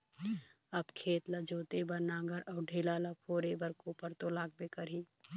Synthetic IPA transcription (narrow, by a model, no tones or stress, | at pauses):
əbkʰeːt̪ləd͡ʒoːt̪ebəɾnaːɡəɾʔɔːɖʱelaləpʰoɾebəɾkopəɾt̪olaːɡ̚bekəɾi